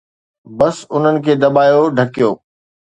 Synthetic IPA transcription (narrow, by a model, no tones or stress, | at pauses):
bɐsʊn̤ənɪ̆kʰeːd̪ɐɓaːjoɖʱɐkijoː